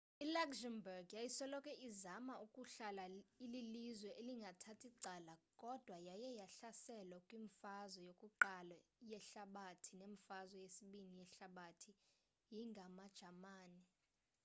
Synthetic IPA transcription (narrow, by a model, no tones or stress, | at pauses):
ilakzɛmbɛrɡjajisɔlɔkʼɛʔizamaukʼuɬalaililizwɛʔeliŋɡʱatʰatʰiǀaːlakʼɔd̥ʱwajajɛjaɬasɛlakʼwiɱfazwɔjokʼuǃalɔjɛɬaɓatʰineɱfazwɔjesiɓinijɛɬaɓatʰi | jiŋɡʱamad̥ʒ̥ʱamaːni